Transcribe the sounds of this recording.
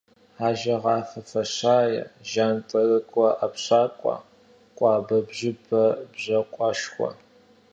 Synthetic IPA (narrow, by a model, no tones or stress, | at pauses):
aːʒɐʁɑːfɐfɐɕaːjɛ̰ʒaːntʼɐrɨkʷʼɔʔapɕaːkʷʼɑ̰ː | qʷʼɑːbɐbʑɪbʰɐbʑɐqʷʼɑʃχʷɔ̰